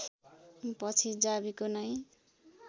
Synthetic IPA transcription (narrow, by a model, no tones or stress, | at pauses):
pʌt͡sʰid͡zabikonʌj